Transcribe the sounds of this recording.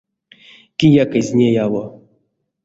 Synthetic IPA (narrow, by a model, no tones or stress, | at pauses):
kʲijakɨzʲnʲejalo